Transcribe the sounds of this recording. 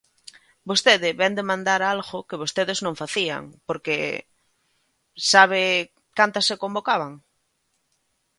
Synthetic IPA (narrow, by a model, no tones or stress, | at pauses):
bost̪eðɪβɛnd̪emãnd̪aɾalɣokeβ̞ost̪eðeznõɱfaθia̰ŋpoɾke | saβ̞ɪ | kant̪asːekombokaβ̞aŋ